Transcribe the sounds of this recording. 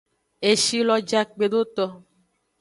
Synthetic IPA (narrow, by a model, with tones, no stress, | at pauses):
e˨ʃi˦lɔ˧d͡ʒa˨k͡pe˨do˦t̪ɔ˧